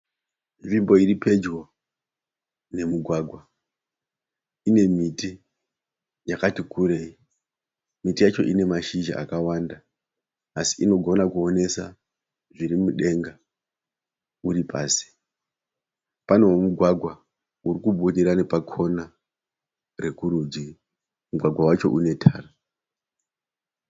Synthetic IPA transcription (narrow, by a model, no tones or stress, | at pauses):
vimbo̞iripe̞d͡ʒwo̞ | ne̞muɡʱwaɡʱwa | ine̞miti | jakatikuɾe̞i | mitijat͡ʃo̞ʔine̞maʃiʒa̰a̰kawandaː | si̥ʔino̞ɡʱo̞nakuo̞ne̞sa̰ | ʐiɾimuɗe̞ŋɡa | uɾipʰa̰ːsi̥ | pane̞womuɡʱwaɡʱwa | uɾikuɓuɗiɾanipakʰo̞na | re̞kuɾud͡ʒi | muɡʱwaɡʱwawat͡ʃo̞̰ʔune̞tʰaːra